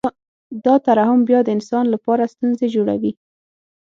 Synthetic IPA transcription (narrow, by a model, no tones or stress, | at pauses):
d̪ɑt̪aɾɑhʊmbjɑd̪əɪnsɑnlapɑɾast̪unzed͡ʒoɽa̰wi